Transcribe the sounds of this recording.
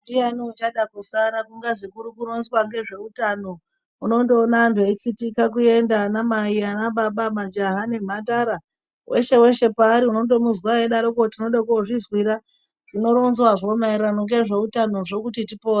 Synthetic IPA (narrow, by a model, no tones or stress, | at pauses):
dianiut͡ʃaɗakusaɾakuŋɡaʐikuɾukuɾo̞nzwaŋɡe̞ʐe̞utano̞ | uno̞ndo̞ːnantʰuekitikak̬ue̞ndanamaianaɓaɓamad͡ʒaɦane̞m̤ataɾa | wʔe̞ʃe̞we̞ʃe̞paːɾiuno̞ndo̞muzwaeɗaɾokotino̞ɗakoʐizwiɾa | ʐ̥ino̞ɾonzwaʐo̞maiɾanoŋɡe̞ʐe̞utano̞ʐo̞kutitipoːa